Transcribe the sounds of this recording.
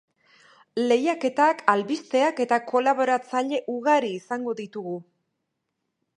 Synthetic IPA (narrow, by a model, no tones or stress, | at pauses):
le̞jake̞t̪akʰalβist̪e̞ake̞t̪ako̞laβo̞ɾat͡saʎe̞ʔuɣaɾiːsaŋɡo̞ðit̪uɣu